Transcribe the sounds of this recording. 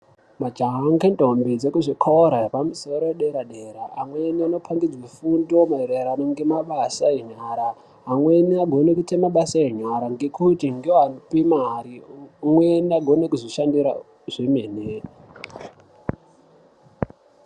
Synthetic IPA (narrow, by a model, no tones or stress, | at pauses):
mad͡ʒaɦŋɡendombid͡zekuʐikʰaoɾarepamusoɾoweɗeɾaɗeɾaamweniano̞pʰaŋɡid͡zwefundomaeɾeɾanoŋɡe̞maɓasaiɲaːɾa | ɦːmweniaɡʱo̞nekutemaɓasaeɲaɾaŋɡe̞kutiŋɡeoanopimariumweniaɡʱo̞nekuzoʃandiɾa̰ | ʐ̥emeːne